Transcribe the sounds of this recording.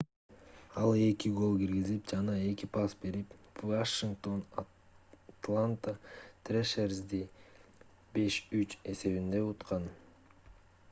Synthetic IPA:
ɑlˠe̞kiɡo̞lˠɡiɾɡizip̚d͡ʒɑnɑe̞kipɑsbe̞ɾipvaʃiŋk̚t̪o̞n | t̪lˠant̪at̪rʲeʃerzd̪i | be̞ʃyt͡ʃe̞se̞βind̪e̞ut̪qɑn

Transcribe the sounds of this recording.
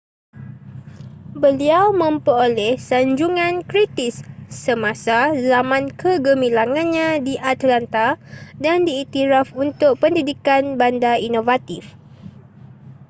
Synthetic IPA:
bəliawmə̃mpəolɛhsaɲd͡ʒuŋãnkɾit̪isːəmãsazamãnkʰəɡəmilaŋãnɲãdiʔat̪lant̪adandiːt̪iɾafunt̪ʊk̚pəndidikanbandainovat̪if

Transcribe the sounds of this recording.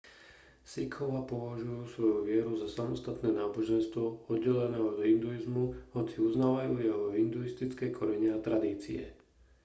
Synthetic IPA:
sikʰɔʋaːpɔʋaʒujuːsʋɔjuʋɪɛɾuzasamɔst̪at̪nɛːnaːbɔʒɛnst̪ʋɔɔd̪ɟɛlɛnɛːɦɔd̪ɦind̪uizmuhɔt͡siuznaːʋajuːjɛɦɔɦind̪uist̪it͡skɛjkʰɔɾɛɲɛat̪ɾad̪iːt͡sḭɛ̰

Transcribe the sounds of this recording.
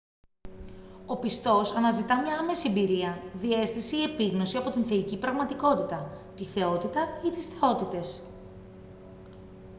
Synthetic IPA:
o̞pist̪o̞sɐnɐzit̪ɐmɲɐɐme̞siebiɾiɐðie̞st̪iseie̞piɣno̞siɐpot̪inθeicipɾɐɣmɐt̪iko̞t̪it̪ɐt̪iθe̞o̞t̪it̪ɐit̪isθe̞o̞t̪it̪e̞s

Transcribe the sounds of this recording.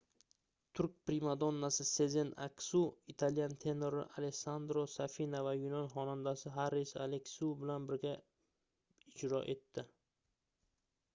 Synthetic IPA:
t̪ʰʊɾkʲpɾimad̪onːasɪse̞zena̰kʲsuit̪ʰaljant̪ʰe̞noɾɪ̰ʔaleksand̪ɾosafinavajʊnɒnχɒnand̪asɪɦaɾisalekʲsubɪlanbɪɾɡʲa | ɪd͡ʒɾɒʔe̞t̪ʰːɪ

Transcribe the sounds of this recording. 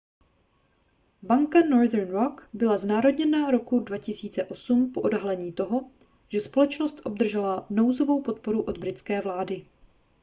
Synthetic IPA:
baŋkanoɾðɛɾnɾokbɪlaznaːɾo̞dɲɛnaɾo̞kudvacɪsiːt͡sɛʔo̞sumpo̞ʔodɦalɛɲiːt̪oɦo̞ | ʒ̥ɛspo̞lɛt͡ʃnost̪ʔo̞b̚d̪r̩ʒɛlano̞wzo̞vo̞wpo̞t̪̚po̞ɾuʔo̞d̪bɾɪt̪t͡skɛːvlaːdɪ

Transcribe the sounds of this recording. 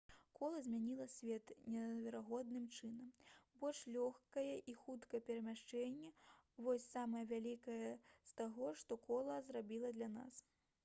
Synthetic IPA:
kʰɔlˠɐzʲmʲanʲilˠɐsʲvʲɛt̪nʲɛvʲɛɾaɣɔd̪̚nɨmt͡ʂɨnɐmbɔlʲʂlʲɔxkɐjɛʔixut̪kɐɛpʲɛɾɐmʲaʂt͡ʂɛnʲːɛvɔsʲsamɐjɐvʲalʲikɐjɛst̪aɣɔʂt̪ɔkɔlˠɐzrabʲilˠɐd̪lʲana̰s

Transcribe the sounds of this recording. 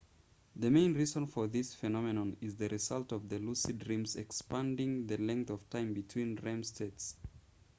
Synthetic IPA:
ðɨmẽɪ̃nɹizə̃nfə˞ðɪsfɨnɑmɨnə̃nɪzðɨɹɨzʌlˠtʌvðɨlusidɹĩmzɛkspæ̃ndɪ̃ŋðɨlɛ̃ŋk̚θʌv̥tʰãɪ̃mbɨtʰw̥ĩnɹɛ̃mstʰets

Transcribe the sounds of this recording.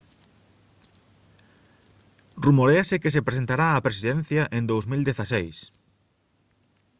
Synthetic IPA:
rumoɾeɐsekes̬epɾes̬ent̪aɾaːpɾesiðen̟θjɐʔend̪owzmild̪eθasejs

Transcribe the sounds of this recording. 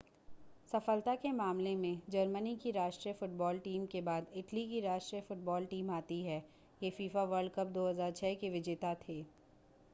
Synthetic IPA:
sɐfəlt̪akemaːmlemẽd͡ʒɐɾmənikiɾaːʃʈɾijəfʊʈbɔːlʈiːmkebaːd̪ɪʈlikiɾaːʃʈɾijəfʊʈ̚bɔːlʈiːmaːt̪iɦɛː | jefiːfaʋəɾɖ̚kɐp̚d̪oːɦəzaːɾt͡ʃʰɛːkeʋɪd͡ʒeːt̪at̪ʰeː

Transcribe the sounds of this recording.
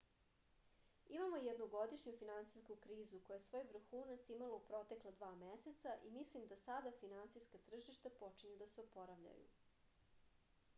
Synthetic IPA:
imamojed̪noɡo̞d̪iʃɲufinant̪sijskukɾiːzuko̞jaesʋo̞ːjʋr̩xuːnat̪simaloupɾo̞t̪e̞klˠad̪ʋaːmeset̪saʔimislimd̪asad̪afinant̪sijskat̪r̩ʒiʃt̪apo̞t͡ʃiɲed̪aseopoɾaʋʎa̰jṵ

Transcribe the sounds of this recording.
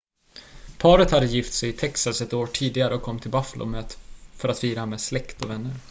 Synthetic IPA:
pʰɑːɾət̪had̪ːəjɪft̪sɛjɪt̪ʰɛksasɛt̪oːʈʰiːd̪ɪɡaɾəɔkʰɔmːt̪ʰɪlbafəlʊ̰mɛfœɾat̪fiːɾameslɛkt̪ɔvɛnːəɾ

